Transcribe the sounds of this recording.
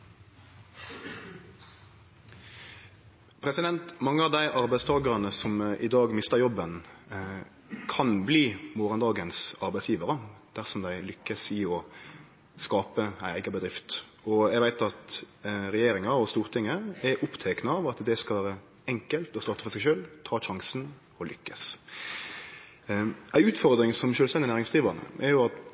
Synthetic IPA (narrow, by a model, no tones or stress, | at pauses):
pʰɾɛsɪd̪ɛnt̪mɑŋːəɑʋd̪æɪʔɑɾbæɪst̪ʰɑːɡəʁɑnəsɔmʔɪd̪ɑːɡmɪst̪əɾjɔbːən | kʰɑnbliːmɔʁənd̪ɑːɡənsɑɾbæɪsjiːʋəɾəd̪̥æʁsɔmd̪æɪlʏkːəsɪɔ | skɑːpəæɪæɪɡɑbəd̪ɾɪft̪ | ɔæɪɡʋæɪt̪ɑt̪ | ɾɛjeːɾɪŋɑɔst̪uːʁt̪ʰɪŋːəɛɾʔʊpt̪ʰɛknəɑʋɑt̪d̪ɛskɑʋæːɾə | ɛŋkəlt̪ɔst̪ɑːt̪ːəfɔɾsæɪʃøːlt̪ʰɑːʃɑŋsn | ɔlʔʏkːəs | æɪʉːt̪fɔɾd̪ɾɪŋsɔmʃøːlst̪ɛnd̪ɪnæːɾɪŋsd̪iːʋəʁnə̰ʔɛɾjʊɑt̪